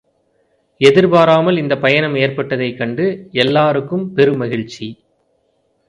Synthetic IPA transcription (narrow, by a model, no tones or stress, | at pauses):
ɛðɪɾbaːɾaːmɐlɪnd̪ɐpɐjɐnɐmeːrpɐʈːɐðɐɪkːɐɳɖɯɛlːaːɾɯkːɯmpɛɾɯmɐɣɪɻt͡ʃːi